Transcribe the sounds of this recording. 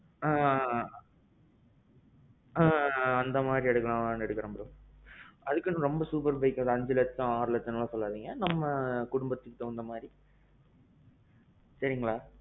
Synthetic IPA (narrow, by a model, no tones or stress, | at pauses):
ãː | ãːɐnd̪ɐmaːd̪ɾiɛɽɯkːɐlãːnɛɽɯkːɯɾɐmbɾõ | ɐðɯkːɯnːɯ̃ɾɔmbɐsuːp̬ɐɾbɐɪkːɐ̃ɐðɐɲd͡ʒɐlɐt̪ːɐ̃aːɾlɐt̪ːɯnaːlãsɔlːaːðiːŋɡɐnɐmːɐkʊɽʊmbɐt̪ːɯkːɯt̪ːɔʋɐnd̪ɐmaːd̪ɾi | sɐɾɪŋɡɐɭaː